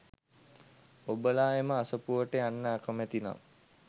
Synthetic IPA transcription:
obəlaːeməasəpuʋəʈəanːəakəmæt̪ina̰m

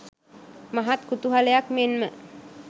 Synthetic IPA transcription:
maɦat̪kut̪uɦalejakmenmə

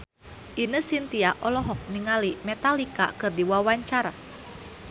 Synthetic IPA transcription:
ʔinəsint̪iaʔɔlɔɦɔk̚niŋalimɛt̪alika̰kɨrdiwawaɲt͡ʃaɾa

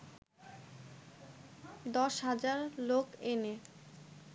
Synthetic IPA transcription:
d̪ɔʃɦad͡ʑaɾlokene

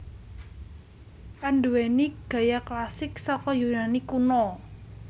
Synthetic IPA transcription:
ʔanɖuweniɡ̥ä̤jaklasɪksɔkɔjunanikunɔ

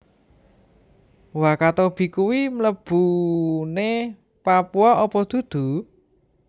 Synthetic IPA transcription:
wakat̪ob̥i̤kuwimləb̥une | papuɔɔpɔd̪̥ṳd̪̥ṳ

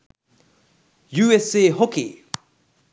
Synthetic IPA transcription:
juːeseːɦokḛː

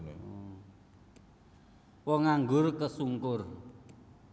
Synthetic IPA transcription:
wɔŋaŋɡʊrkəsuŋkʊr

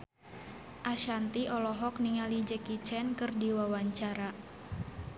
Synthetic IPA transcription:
ʔaʃant̪iɔlɔɦɔk̚niŋalid͡ʒɛkit͡ʃɛnkɨrdiwawaɲt͡ʃaɾa

